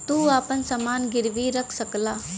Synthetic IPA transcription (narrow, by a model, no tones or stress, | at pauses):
t̪uːaːpənsəmaːnɡɪɾʋiːɾəkʰsəklaː